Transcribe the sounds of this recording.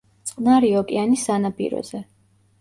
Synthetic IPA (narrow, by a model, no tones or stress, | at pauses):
t̪sʼqʼnaɾiɔkʼḭanisanapʼḭɾɔ̰zɛ